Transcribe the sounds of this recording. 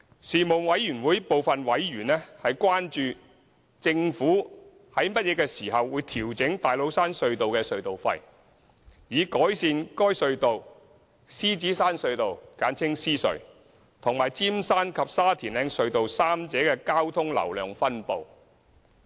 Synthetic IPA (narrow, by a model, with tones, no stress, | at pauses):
siː˨˩mo˨˩ŋwɐ˨˥jjyː˨˩nwu˨˥jpo˨wfɐ˨nwɐ˨˥jɥyː˨˩nɛː˥hɐ˨jkʷwaː˥nt͡ʃyː˧ | t͡sɪ˧ŋfuː˨˥ | hɐ˨˥jmɐ˥t̚jɛː˨˧kɛː˧siː˨˩ɦɐ˨wuː˨˧jt̪ʰiː˨˩wt͡sɪ˨˥ŋt̪aː˨jlo˨˧wsaː˥nsɵ˧ɥt̪o˨wkɛː˧sɵ˧ɥt̪o˨˩wfɐ̰˧j | jiː˨˧kɔː˨˥jsiː˧nkɔː˥jsɵ˧ɥt̪o˨w | siː˥t͡siː˨˥saː˥nsɵ˧ɥt̪o˨wkaː˨˥nt͡sʰɪ˥ŋsiː˥sɵ̰˨˧ɥ | t̪ʰʊ˨˩ŋmaː˨˩jt͡siː˥msaː˥nkʰɐ˨p̚saː˥t̪ʰiː˨˩nlɛː˨˧ŋsɵ˧ɥt̪o˨wsaː˥mt͡sɛː˨˥kɛː˧kaː˥wt̪ʰʊ˥ŋlɐ̰˨˩wlœ̰ː˨ŋfɐ˥npo˨w